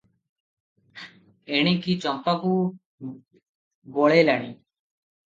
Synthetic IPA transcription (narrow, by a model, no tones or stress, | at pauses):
eɽ̃ikit͡ɕɔmpaku | boɭelaɽ̃ḭ